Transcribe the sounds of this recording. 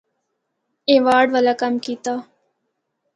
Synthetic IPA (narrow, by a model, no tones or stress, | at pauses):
ẽːʋaːɖʋɐlakɐmkiːt̪aː